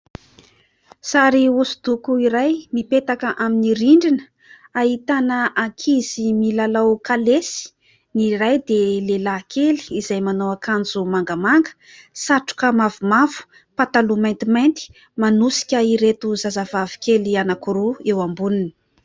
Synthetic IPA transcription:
saɾiusud̪ukuiɾajmipet̪akəʔaminiɾiɳɖ͡ʐinə | aɦit̪anəakʰiz̥imilalawkalesi̥ | nirajd̪elelakʰeli̥izajmanowakand͡zumaŋɡəmaŋɡə̥ | saʈ͡ʂu̥kəmavumavu̥ | pat̪alumajnt̪imajnt̪i̥ | manusi̥kʲəiɾet̪uzazavavi̥kelianakuɾuewambuninə̥

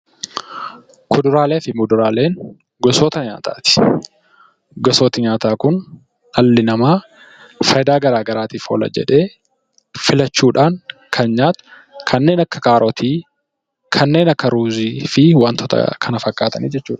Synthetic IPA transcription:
kʊd̪ʊɾaːleːfɪmʊd̪ʊɾaːle̞ːŋ | ɡɔsoːt̪ɐɲa̰ːt̪a̰ːt̪ɪ̥ | ɡɔsoːt̪ɪɲaːt̪aːkʊn | ɐlːɪnɐmaː | fɐjd̪aːɡɐɾaːɡɐɾaːt̪iːfo̰ːlɐ̰d͡ʒɛ̰ᶑe̞ː | fɪlɐt͡ʃːuːᶑaːŋkʰɐnɲaːt̪ʊ̥ | kʰɐnːe̞ːnɐkːɐkaːɾʔot̪ʰiː | kʰɐnːe̞ːnɐkːɐɾuːziːfɪwaːnt̪ʰɔt̪ɐ̰kʰɐnɐfɐkʼːaːt̪ɐniːd͡ʒɛt͡ʃːuːᶑɐ̥

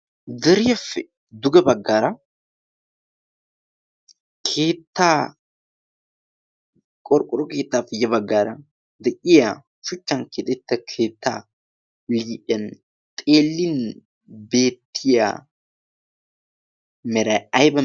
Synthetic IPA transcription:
d̪ɛɾɪjɐfːɛ | d̪ʊɡɐbɐɡːaːɾɐ | kʰe̞ːt̪ːaː | kʼɔɾkʼɔɾɔke̞ːt̪ːaːfɛjɐbɐɡːaːɾɐ | d̪ɛʔɪja | ʃʊt͡ʃːɐnket̪ʼɛt̪ːɐkʰeːt̪ːa̰ː | liːʔɐn | t̪ʼe̞ːlːɪn | beːt̪ʰːɪja̰ː | mɛɾɐɐjbɐ

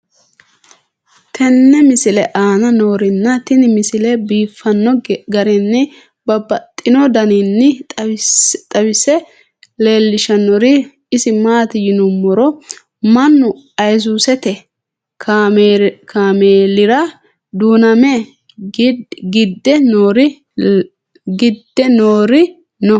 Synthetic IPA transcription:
t̪ʰɛnːɛmɪsɪlɛʔaːnɐnoːɾɪnːɐt̪ɪnɪmɪsɪlɛbiːfːɐnːɔɡɐɾɪnːɪ | bɐbɐt̪ʼːɪnɔd̪ɐninːɪ | t̪ʼɐwɪsɛ | le̞ːlːɪʃɐnːɔɾɪ | ɪsɪmaːt̪ɪjɪnʊmːɔɾɔ | mɐnːʊ | ɐjzuːsɛt̪ɛ | kː | kaːmeːlɪɾɐ | d̪uːnɐmɛ | ɡɪd̪ːɛnoːɾɪ | ɡɪd̪ːɛnoːɾɪ | nɔ

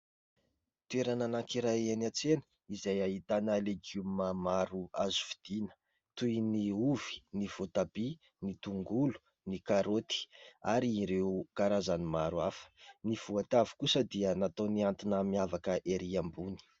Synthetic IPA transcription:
t̪ueɾananakiɾaenat͡senə | izajaɦit̪anəleɡummamaɾuazu̥fi̥d̪̥inə̥ | t̪ujniuvi̥niv̥ot̪abi | nit̪uŋɡulu̥ | nikaɾot̪i̥aɾiːɾekaɾazanimaɾuafə̥niv̥uat̪avi̥kusəd̪iənat̪oniant̪inamiavakəʔeɾiambuni̥

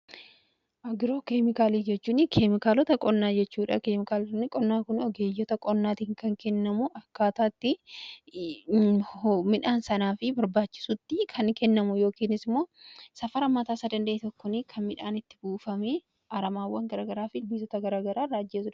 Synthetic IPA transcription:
ʔɐɡɪɾo̞ːkeːmɪkaːliːd͡ʒɛt͡ʃːuːnɪkʰeːmɪkaːlɔt̪ɐkʼɔnːaːd͡ʒɛt͡ʃːuːᶑɐkeːmɪkaːlɐnːɪkʼɔnːaːkʊnɔɡeːjːɔt̪ɐkʼɔnːaːt̪iŋkɐŋkɛnːɐmʊʔɐkːaːt̪aːt̪ːɪ | mɪᶑaːnsɐnaːfɪbɐɾbaːt͡ʃːɪ̥sʊt̪ːɪkʰɐŋkɛnːɐmʊjo̞ːkiːnɪsɪmːo̞ːsɐfɐɾɐmːɐt̪aːsad̪ɐnd̪ɐʔeːt̪ɔkːɔnɪkʰɐnmɪᶑaːnɪt̪ːɪ̥buːfɐmeː | ɐɾɐmaːwːɐŋɡɐɾaːɡɐɾaːfɪbizɔt̪ɐɡɐɾaːɡɐɾaːrːaːd͡ʒːeːs̬ʊᶑ

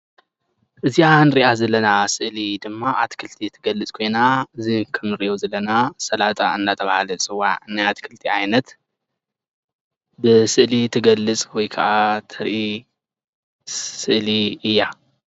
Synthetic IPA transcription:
ʔɨzianɨɾiʔazɐlɐnasɨʔlid̪ɨmːaʔat̪kʰɨlt̪ʰit̪ʰɨɡɐlːɨt͡sʼkʰo̞jnaɨzikʰɐmnɨɾiʔo̞zɐlɐnasɐlat̪ʼaɨnːat̪ʰɐβahalɐt͡sʼɨwaʕɨnːajat̪kʰɨlt̪ʰiajnɐt̪ | bɨsɨʔlit̪ʰɨɡɐlːɨt͡sʼwɔjkʰɐ̰ʔat̪ʰɐɾʔi | sɨʔliɨjːa

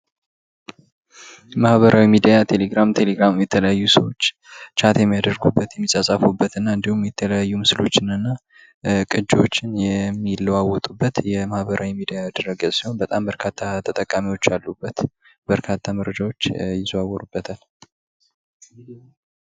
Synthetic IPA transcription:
jmahβəɾʔawimid̪ijat̪ʰe̞leɡɾamt̪ʰe̞le̞ɡɾamjɛt̪ʰələjajːusəwo̞t͡ʃː | t͡ʃʰat̪jɛmːijad̪əɾɡubːət̪jɛmːisʼəsʼəfubːət̪ɨnːaɨnd̪ihumjɛt̪ʰələjajːumɨsɨlo̞t͡ʃːɪnɨnːa | kʼɨd͡ʒːo̞t͡ʃːɪnjɛmːilːəwawɔt̪ʼubːət̪jɛmahβəɾʔawimid̪ijaːd̪əɾəɡəsiho̞nbət̪ʼambəɾkʰat̪ʰːat̪ʰət̪ʼəkʼːamiwo̞t͡ʃːalːubːət̪ | b̥əɾkʰat̪ʰːaməɾəd͡ʒawo̞t͡ʃːjɪzoawɔɾubːət̪ʰal

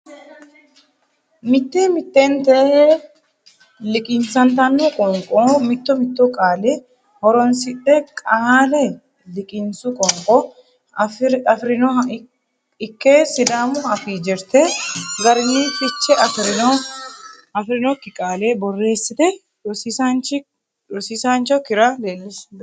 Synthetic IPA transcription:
mɪt̪ːeːmɪt̪ːeːnt̪ɛ | lɪkʼɪnsɐnt̪ɐnːɔkʼɔŋkʼɔmɪt̪ːɔmɪt̪ːɔkʼaːlɛ | hɔɾɔnsɪᶑɛkʼaːlɛ | lɪkʼɪnsʊkʼɔŋkʼɔ | ɐfɾɪno | ɪkːeːsɪd̪aːmʊɐfiːd͡ʒɛɾt̪ɛɡɐɾɪniːfɪt͡ʃːɛʔɐfɾɪno | ɐfɾɪnɔkːɪkʼaːlebɔrːe̞ːsːɪt̪ɛ | sisant͡ʃɪ | ɔsisant͡ʃɔkɪɾɐleːlːɪsb

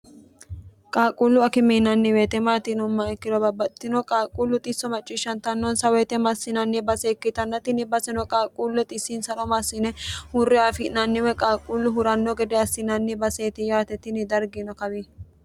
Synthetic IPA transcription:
kʼaːkʼːulːʊɐkɪmiːnɐnːɪweːt̪ɛmaːt̪ɪnʊmːɐɛkːɪd̪ɔbɐbɐt̪ːɪnɔkʼaːkʼulːʊt̪ʼɪsːɔmɐt͡ʃʼːɪʃɐnt̪ɐnːɔnsɐwɛt̪ɛmɐsːɪnɐnːɪbɐseːkːɪt̪ɐnːɐt̪ɪnɪbɐsɛnɔkʼaːkʼːuːlːɛt̪ʼɪsːiːnsɐnɔmɐsːɪnɛhʊrːɪaːfɪnɐnːɪwɛkʼaːkʼːulːʊɦʊɾɐnːɔɡɛd̪ɛɐsːɪnɐnːɪbɐseːt̪ɪjaːt̪ɛt̪ɪnɪd̪ɐɾɡɪnɔkɐbi

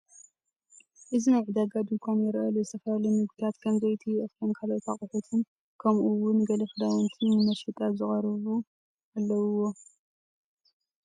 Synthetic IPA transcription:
ʔɨzinajʕɨd̪aɡad̪ɨŋkʷʰanjɛɾʔɐluzɨt̪ʰɐfɐjalonɨɡd̪it̪ʰat̪kʰɐmzɐjt̪ʰiʔɨfɐnkʰalot̪ʰaχʼɨħut̪ʰɨn | kʰɐmʔuwʊnɡɐlɐfɨd̪ajont̪ʰinɨmɐʃit̪ʼazɨχʼɐɾɨβu | ʔalːɐwuwo̞

